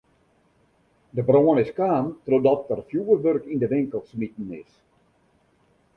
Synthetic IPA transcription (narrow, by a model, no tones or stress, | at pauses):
dəbroənɪskaːntrodɔt̚ərfjuʋərʋørkindəʋɪŋkəlˠsmit̚n̩ɪ̰s